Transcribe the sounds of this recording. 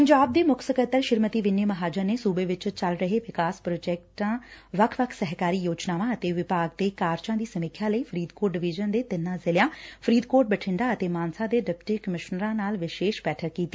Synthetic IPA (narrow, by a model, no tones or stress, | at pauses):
pəɲd͡ʒaːb̚d̪eːmʊkʰsəkət̪ːəɾʃɪɾmət̪iːʋɪneːməɦaːd͡ʒəɾneːsuːbeːʋɪt͡ʃt͡ʃəlɾəɦeːʋɪkaːspɾoːd͡ʒɛːk̚ʈãːʋəkʰʋəkʰsəɦkaːɾiːjoːt͡ʃnaːʋãːət̪eːʋɪpaːɡ̚d̪eːkaːɾt͡ʃãːd̪iːsəmɪkʰːjãːləiːpʰəɾiːd̪koːɾʈ̚ɖɪʋɪd͡ʒənd̪eːt̪ɪnːãːzɪljãːpʰɾiːd̪koːɾʈ̚bəʈʰɪɳɖaːət̪eːmaːnsãːd̪eːɖɛpʈiːkəmɪʃnəɾãːnaːlʋɪʃeːʃbɛːʈʰəɾkiːt̪ːi̥ː